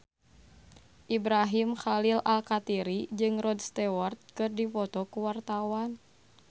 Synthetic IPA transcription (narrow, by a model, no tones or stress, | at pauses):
ʔibɾaɦimxalilʔalkat̪iɾid͡ʒɨŋrɔdst̪ɛwart̪̚kɨrdifɔt̪ɔkuwart̪awan